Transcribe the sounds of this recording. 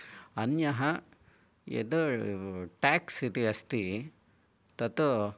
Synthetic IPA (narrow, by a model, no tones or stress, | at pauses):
ɐnjɐɦɐ | ḛd̪u | ʈaːksit̪iɐst̪i | t̪ɐt̪u